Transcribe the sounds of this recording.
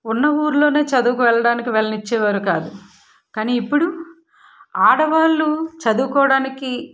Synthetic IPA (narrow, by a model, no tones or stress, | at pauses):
unːɐuːɾulo̞ːne̞ːt͡ʃɐd̪uːkuʋɛɭːɐɽaːnikiʋɛɭɐnit͡ʃːɛːʋaːɾukaːd̪u | kaːniːpːuɽu | aːɽɐʋaːlːut͡ʃɐd̪uːkɔːɐɽaːniki